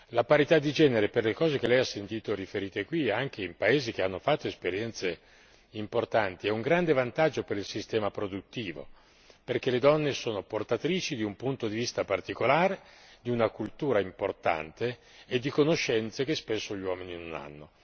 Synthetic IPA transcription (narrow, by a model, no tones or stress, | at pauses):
lapaɾit̪ad̪ːid͡ʒɛːneɾeperlekɔːzek̟elɛjasːent̪iːt̪orifeɾiːt̪ekwiaŋk̟eimpaeːzik̟eanːofat̪ːoespeɾjɛnt̪se | import̪ant̪iɛuŋɡɾand̪evant̪ad͡ʒːopeɾilsist̪ɛːmapɾod̪ut̪ːiːvo̰ | perk̟eled̪ɔnːesoːnoport̪at̪ɾiːt͡ʃid̪iumpunt̪od̪ivist̪apart̪ikolaːɾed̪iunakult̪uːɾaimport̪a̰nt̪eː | d̪ːikonoʃːɛnt̪sek̟espesːoʎwɔːmininona̰nːo